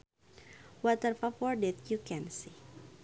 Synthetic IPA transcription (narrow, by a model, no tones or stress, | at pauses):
wɔt̪ərfafɔrdɛt̪̚jukɛ̃nsi